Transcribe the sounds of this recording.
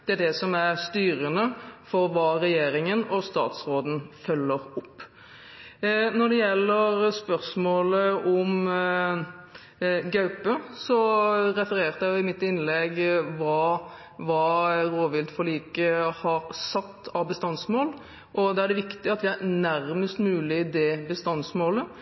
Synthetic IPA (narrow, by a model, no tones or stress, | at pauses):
d̪̥ɛæɖ̪ɛsɔmæʁst̪yːɾənəfɔɾʋɑːɾɛjeːɾɪŋənɔst̪ɑ̰ːt̪sɾoːd̪n̩fœlːəɾʊpː | nɔɖ̪ɛjɛlːəɾspœɾsmoːləɔm | ɡɑʉpəsɔɾɛfəɾeːʁt̪æjʊɪmɪt̪ːɪnlɛɡʋɑː | ʋɑːɾoːʋɪlt̪fɔɭiːkəhɑɾsɑt̪ːɑʋbəst̪ɑnsmoːl | ʔɔd̪ɛæɖɛʋɪkt̪ɪɑt̪ʋɪæɾnæɾməst̪mʉːlɪd̪ɛbəst̪ɑnsmoːlə